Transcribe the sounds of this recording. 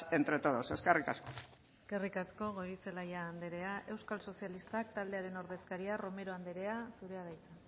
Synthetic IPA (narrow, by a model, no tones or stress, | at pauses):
e̞nt̪ɾe̞t̪oðo̞se̞skerikasko | eske̞rikasko̞ɣoɾiselajaːnd̪eɾe̞aʔe̞wskalso̞sialist̪ak̚t̪ald̪e̞aɾe̞no̞ɾðe̞skaɾiaro̞me̞ɾo̞and̪eɾe̞asuɾe̞að̞ajt͡s̪a